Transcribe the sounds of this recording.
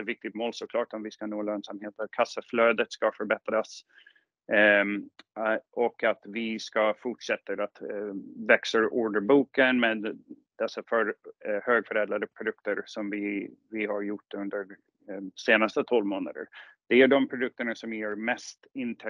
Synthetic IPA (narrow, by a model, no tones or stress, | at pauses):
t̪vɪk̚t̪ɪɡ̚t̪moːlsɔkʰlɑːʈɔmvɪskanoːløːnsamheːt̪at̪kʰasːəfløːd̪ət̪skafœɾbɛt̪ɾas | ʔɔkːat̪vɪskafʊʈʂɛt̪ːəɾat̪vɛksəɾʔuːɖəbuːkənmed̪ | d̪̥ɛsːafœɾhøːɡfœɾɛːd̪ɾad̪əpʰɾʊd̪ɵkt̪əɾsɔmvɪvɪhaɾjʊʈːɵnd̪əɾ | seːnast̪ət̪ʰɔlvmoːna̰d̪ə̰ɾ | d̪̥ɛæɖɔmpʰɾʊd̪ɵk̚t̪əɳasɔmjæɾmɛst̪ɪnt̪ʰ